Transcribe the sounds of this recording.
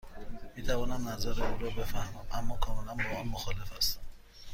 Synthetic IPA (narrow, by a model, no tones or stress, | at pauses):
miːt̪ʰævɒːnæmnæzæɾeuːɾɔːbe̞fæhmæmʔæmːɒːkʰɒːme̞lænbɒːɒːnmoxɒːle̞fæst̪